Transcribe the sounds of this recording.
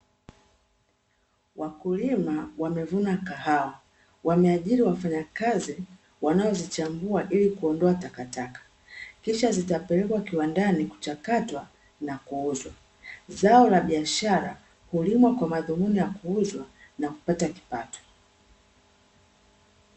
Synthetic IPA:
wakulimawamɛvunakaɦawa | wamɛaʄiɾiwafaɲakazi | wanaɔzit͡ʃambuaʔilikuɔndɔatakatakḁ | kiʃazitapɛlɛkwakiwandaniku̥t͡ʃakatwa | nakuuzwa | zaɔlaɓiaʃaɾa | hulimwakwamaðumunijakuuzwanaku̥pataki̥patɔ̥

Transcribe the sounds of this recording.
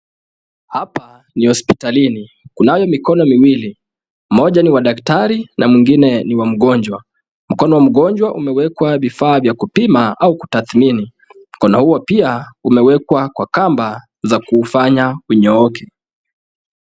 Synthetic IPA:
hapa | nihɔspi̥talini | kunajɔmikɔnɔmiwili | mɔʄaniwaɗaktaɾinamwiŋɡinɛniwam̩ɠɔɲd͡ʒwa | m̩kɔnɔwam̩ɠɔɲd͡ʒwaʔumɛwɛkwavifaːvjakupimaauku̥taθmini | m̩kɔnɔhuwɔpiaumɛwɛkwakwakamba | zakuːfaɲauɲɔɔkɛ

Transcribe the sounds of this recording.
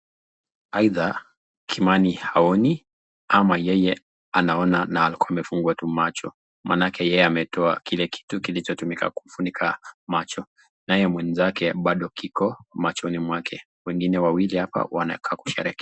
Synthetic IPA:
aiða | kʰimanihaɔni | amajɛjɛ | anaɔnanaːlikuamɛfuŋɡuatumat͡ʃɔ̰ | manakɛjɛjɛamɛtɔakilɛkʰi̥tukilit͡ʃɔtumika̰kum̩funikʰamat͡ʃɔ | najɛmwɛnzakʰɛɓaɗɔkikɔmat͡ʃɔnimwakʰɛ | wɛŋɡinɛwawilihapa̰wa̰na̰kʰaːku̥ʃɛ̰ɾɛki̥

